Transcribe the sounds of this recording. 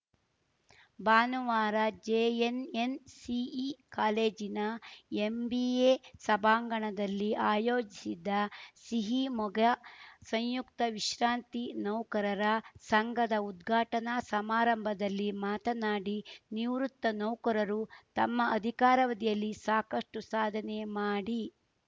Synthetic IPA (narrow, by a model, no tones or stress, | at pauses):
baːnuʋaːɾɐd͡ʒeːenensiikaːleːd͡ʒinɐembieːsɐbʱaːŋɡɐɳɐd̪ɐlːiaːjoːd͡ʒisid̪ːɐsiɦimɔɡɐsɐɲjukt̪ɐʋiʃɾaːnt̪inɐwkɐɾɐɾɐsɐŋɡʱɐd̪ɐud̪ɡʱaːʈɐnɐsɐmaːɾɐmbʱɐd̪ɐlːimaːt̪ɐnaːɽiniʋɾut̪ːɐnɐwkɐɾɐɾut̪ɐmːɐɐd̪ʱikaːɾɐʋɐd̪ijɐlːisaːkɐʂʈusaːd̪ʱɐnemaːɽi